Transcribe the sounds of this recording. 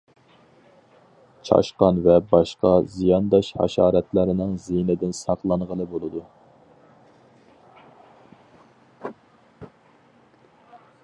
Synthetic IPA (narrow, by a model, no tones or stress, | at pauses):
t͡ʃʰɑ̰ʃqɑnvɛbɑʃqɑzijɑnd̪ɑʃhɑ̰ʃɑ̰ːɾɛt̪læɾɪnɪŋzinɪd̪ɪnsɑqlˠɑɴʁəlˠɨbolˠɨd̪u